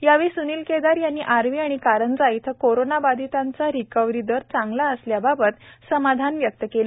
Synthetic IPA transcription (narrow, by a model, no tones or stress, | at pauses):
jaʋiːsuniːlked̪aɾjanːiːʔaɾʋiːaɽ̃ikaɾənd͡zait̪ʰəkoɾonabad̪it̪ant͡saɾikəʋɾid̪əɾt͡sãŋɡlaəsljababət̪səmad̪ʱanʋjək̚t̪əkel